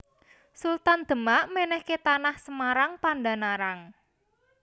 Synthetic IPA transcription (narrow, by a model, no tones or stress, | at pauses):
sult̪and̪̥ə̤maʔmenɛhket̪anahsəmaɾaŋpanda̤naɾaŋ